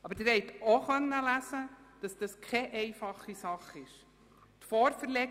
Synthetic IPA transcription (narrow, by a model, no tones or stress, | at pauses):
ɑbəɾdɪɾhɛɪtoχœnːəlæsəd̥ɑsd̥ɑskʰɛʔɛɪfɑχːisɑχɪʃ | tfɔːɾfəɾlɛ